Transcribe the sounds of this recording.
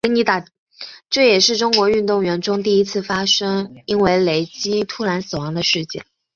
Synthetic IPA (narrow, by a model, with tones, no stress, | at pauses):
ni˧˥t̪a˨˩ | ʈ͡ʂɤ˥˩jɛ˨˩ʂɻ̩˥˩ʈ͡ʂʊ˥ŋkwɔ˧˥y˥˧nt̪ʊ˥˩ŋɥɛ˧˥nʈ͡ʂʊ˥ŋt̪̬i˥˩i˥t͡sʰɹ̩˥˩fa˥ʂɤ˥ŋi˥nwe˧˥˩ɪle˧˥ɪt͡ɕi˥t̪ʰu˥ɻa˧˥nsɹ̩˨˩wɑ˧˥ŋd̪ə˧ʂɻ̩˥˧t͡ɕjɛ̰˥˩n